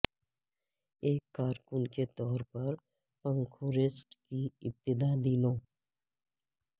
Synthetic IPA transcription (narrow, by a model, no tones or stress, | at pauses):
eːkːaːɾkʊnket̪ɔːɾpɐɾ | pə̃ŋkʰõɾɪsʈkiɪp̚t̪ɪd̪ad̪iːnõː